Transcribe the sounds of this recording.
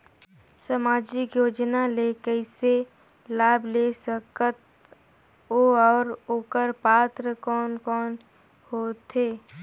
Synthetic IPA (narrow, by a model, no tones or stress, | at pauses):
səmaːd͡ʒɪkjoːd͡ʒnalekɛɪse | laːblesəkət̪̚ | oɔːɾoːkəɾpaːt̪ɾəkɔːnkɔːn | hoːt̪ʰeː